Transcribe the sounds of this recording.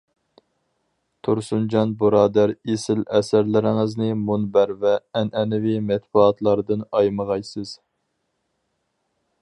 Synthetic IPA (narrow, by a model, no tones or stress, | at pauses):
t̪ʰuɾsund͡ʒɑnbuɾɑːd̪æɾesɪlɛsæɾlɪɾɪŋɪznɪmunbæɾvɛːnʔɛnɪvimɛt̪̚buɑt̪lˠɑɾd̪ɨnɑjməʁɑjsɨz̥